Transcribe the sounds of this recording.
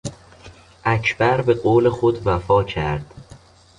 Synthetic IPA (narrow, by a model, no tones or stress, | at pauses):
ʔæcʰb̥æɾbe̞ɢoːle̞xod̪væfɒːcʰæɾd̪̥